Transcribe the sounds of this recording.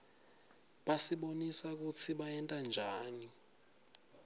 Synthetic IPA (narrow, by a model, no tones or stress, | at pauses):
ɓasiɓonisak̬ut͡sʰiɓaɛntʼand͡ʒʱaːni